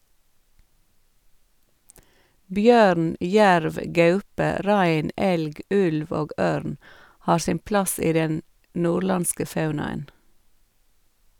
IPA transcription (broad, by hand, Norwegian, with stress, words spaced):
ˈbjøːɾn ˈjæɾʋ ˈɡɑʉpə ˈɾæɪn ˈɛlɡ ˈʉlʋ ˈoːɡ ˈøːɾn ˈhɑːɾ ˈsɪm ˈplɑs ˈiː ˈdɛn ˈnuːɾˌlɑnskə ˈfɑʉnɑən